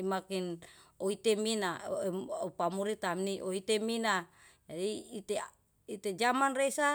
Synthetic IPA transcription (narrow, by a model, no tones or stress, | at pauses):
makinoit̪eminaopamuɾit̪amniʔoit̪emina | d͡ʒadiːt̪e | it̪ed͡ʒamanresa